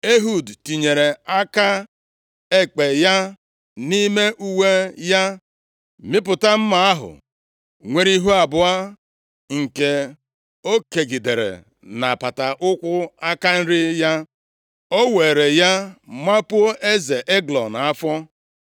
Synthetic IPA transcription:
e˦ɦu˦˨dti˨ɲe˨ɾe˨a˦ka˦ | e˦k͡pe˨ja˦ | ni˦me˦ʔu˦we˦ja˦ | mɪ˦p̬ʊ˨ta˦m̩˦ma˨a˦ɦʊ̰˨ | ŋʷe˦ɾi˦ɦu˦a˨bʊ˨a˦ | ŋ̩˨ke˨ | o˦ke˨ɡi˨de˨ɾḛ˨ | na˨pa˨ta˨ʔʊ˦kʷʊ˦a˦ka˦n̩˦ɾɪ˦ja˦ | o˦we˨ɾe˨ja˦ma˦pu˦o˦ʔe˦ze˨ʔe˦ɡlɔ˨na˨a˦fɔ˦

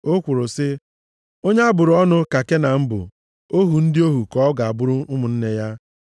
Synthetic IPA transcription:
o˦kʷʊ˨ɾʊ˨sɪ˦ | o˦ɲe˦a˦bʊ˨ɾʊ˨ɔ˦nʊ˦ka˨ke˦na˨m̩˦bʊ̰˨ | o˦ɦu˨n̩˦dɪ˦o˦ɦu˨kɔ˦ɡa˨a˨bʊ˦ɾʊ˦ʊ˦mʊ˨n̩˦ne˦ja˦

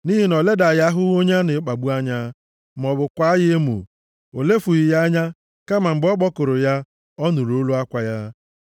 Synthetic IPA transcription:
ni˦ɦi˨nɔ˨le˦da˨ja˦ɦʊ˦ɣo˦ɲa˦nɪ˨˦k͡pa˨ɡ͡bu˦a˦ɲa˦ | m˨ɔ˨bʊ˨kʷa˦je˦e˦mo̰˨ | o˨le˦fu˨ɣi˨ja˦ɲa˦ | ka˦ma˨m̩˨ɡ͡bɔ˦ɡ͡bɔ˦kʊ˨ɾʊ˨ja˦ | ɔ˦nu˨ɾo˨o˦lu˦a˦kʷa˨ja˦

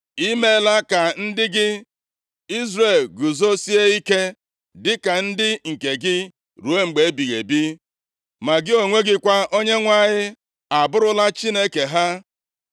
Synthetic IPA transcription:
i˦me˦la˦ka˨n̩˦dɪ˦ɡɪ˦ | i˦zre˨lɡu˨zo˦si˦e˦i˦ke˦ | dɪ˦ka˨n̩˦dɪ˦ŋ̩˨ke˨ɡɪ˦ | ɾu˨e˦ŋ͡m̩˨ɡ͡be˨˦bi˨ɣe˨bi˦ | ma˨ɡɪ˦o˨ŋʷe˦ɡɪ˦kʷa˦ʔo˦ɲe˦ŋʷa˦˨ɲɪ˦ | a˨bʊ˦ɾʊ˦la˦t͡ʃi˦ne˦ke˨ɦa˦

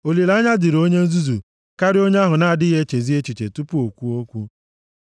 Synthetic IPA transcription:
o˨li˨la˦ɲa˦dɪ˨ɾo˦ɲe˦n̩˦zu˦zu˨ | ka˦ɾɪ˦o˦ɲ˦a˦ɦʊ˨na˦a˨dɪ˦ɦe˦t͡ʃe˨zi˦e˦t͡ʃi˨t͡ʃḛ˨tu˦pu˦o˨kʷu˦o˦kʷu˦

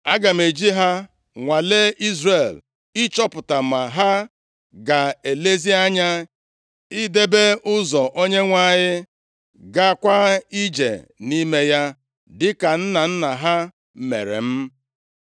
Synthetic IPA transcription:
a˦ɡa˨m̩e˨d͡ʒi˦ɦa˦ | ŋʷa˨le˦ʔi˦zɾe˨l | ɪ˦t͡ʃɔ˦pʊ˨ta˨ma˨ɦa˦ | ɡa˨e˨le˦zi˦a˦ɲa˦ | i˦de˦be˦ʊ˦zɔ˨ʔo˦ɲe˦ŋʷa˦˨ɲɪ˦ | ɡa˦kʷa˦i˦d͡ʒḛ˨ni˦me˦ja˦ | dɪ˦ka˨n̩˦na˨n̩˦na˨ɦa˦ | mḛ˨ɾḛ˨m̩˦

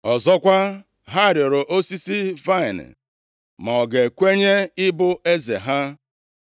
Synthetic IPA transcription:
ɔ˨zɔ˦kʷa˦ | ɦa˦˨ɾɪ˨ɾʊ˨ʔo˦si˦si˦va˦ɪ˨n̰˨ | ma˨ɔ˨ɡe˨kʷe˦ɲe˦ɪ˦bʊ˦e˦zḛ˨ɦa˦

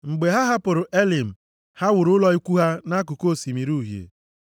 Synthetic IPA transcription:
ŋ͡m̩˨ɡ͡be˨ɦa˦ɦa˦pʊ˨ɾʊ˨ʔe˦li˨m̩˨ | ha˦wʊ˨ɾʊ˦lɔ˦i˦kʷu˦ɦa˦na˦k̬ʊ˨ko˦˨si˨mi˨ɾu˦˨ɦjḛ˨

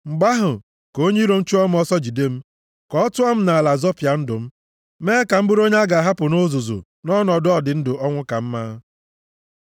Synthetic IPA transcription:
ŋ͡m̩˨ɡ͡ba˦ɦʊ˨ | ko˦ɲe˦ɾo˨n̩˦t͡ʃu˦ɔ˦m̩˦ɔ˦sɔ˦d͡ʒi˨de˦m̩˦ | kɔ˦ɔ˦tʊ˦ɔ˦m̩˦na˨la˨zɔ˦pja˨n̩˦dʊ˨m̩˦ | meː˦ka˨m̩˦bʊ˦ɾo˦ɲe˦a˦ɡa˨ɦa˦pʊ˨no˦zo˨zo̰˨ | nɔ˦nɔ˨dɔ˨dɪ˨n̩˦dʊ˨ɔ˦ŋʷʊ˦ka˨m̩˦ma˦

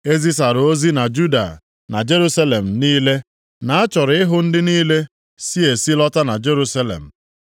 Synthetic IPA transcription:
e˦zi˦sa˨ɾo˦zi˦na˨d͡ʒu˦da̰˨ | na̰˨d͡ʒe˦ɾu˦sa˦le˨m̩˨niː˦le˦ | na˨a˦t͡ʃɔ˨ɾɪ˦ɦʊ˦n̩˦dɪ˦niː˦le˦ | si˦e˨si˦lɔ˦ta˦na˨d͡ʒe˦ɾu˦sa˦lḛ˨m̩˨

